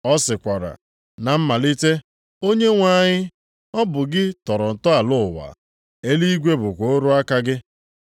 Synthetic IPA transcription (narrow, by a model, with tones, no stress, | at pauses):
ɔ˦sɪ˨kʷa˨ɾa̰˨ | na˨m̩˦ma˨li˦te˦ | o˦ɲe˦ŋʷa˦ɲɪ˦ | ɔ˦bʊ˨ɡɪ˦tɔ˨ɾɔ˨n̩˨tɔ˦a˨lʊ˦˨wa̰˨ | e˦li˦i˦ɡʷe˦bʊ˨kʷo˦o˦ɾʊ˦a˦ka˦ɡɪ˦